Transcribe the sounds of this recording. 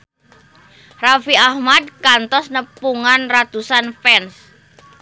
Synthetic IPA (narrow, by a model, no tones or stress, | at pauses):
rafiahmad̪̚kant̪ɔsnəpuŋanrat̪usanfɛns